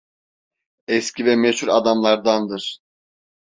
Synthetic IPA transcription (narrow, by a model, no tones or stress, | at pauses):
ɛscʰivɛmɛshuɾad̪amlˠaɾd̪and̪ɯɾ̥